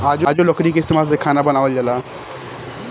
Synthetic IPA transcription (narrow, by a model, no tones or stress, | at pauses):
ad͡ʑd͡ʑolɔkɾikest̪imas̬ekʰanabənaʋəld͡ʑala